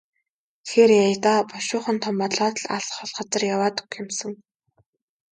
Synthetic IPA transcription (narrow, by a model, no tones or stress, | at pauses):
xerjajt̪aːpɔʃʊːχə̆nt̪ʰɔmpɔɮɔːt̪ɮaɮχɔɮχăt͡sə̆rjawaːt̪ɵ̥kɪmsɘ̆ŋ